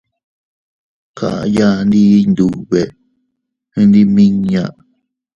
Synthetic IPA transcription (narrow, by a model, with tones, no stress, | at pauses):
kʰa̰˨ʔa̰˧ja˦˧nd̪i˦nd̪u˨βe˨ | hĩ˧nd̪i˦˧mĩ˦ɲã˧˨ʔ